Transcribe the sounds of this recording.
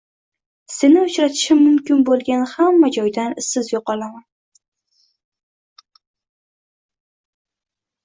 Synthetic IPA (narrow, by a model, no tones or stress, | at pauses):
se̞nɪʊt͡ʃɾat̪ʰɪ̥ʃɪːʊmkʲɪnbolˠɡʲanhamːad͡ʒɒjd̪anɪsɪzjoqɒlˠaman